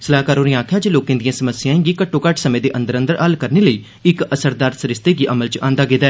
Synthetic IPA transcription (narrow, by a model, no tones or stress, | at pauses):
səlaːkaːɾoːniːaːkʰjaːd͡ʒeloːkẽːd̪ɪjãːsəməsɪjãːĩːɡiːkəʈʰːoːkəʈsəmẽːd̪eːʔə̃nd̪əɾə̃nd̪əɾəlkəɾneːləiː | ɪkəsəɾd̪aːɾsəɾɪst̪eːɡiːʔəməlt͡ʃãːnd̪aːɡeːd̪aɛː